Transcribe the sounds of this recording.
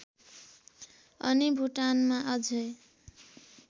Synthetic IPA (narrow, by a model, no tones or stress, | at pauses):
ʌ̰nibʱuʈanmaʔʌd͡zʱʌj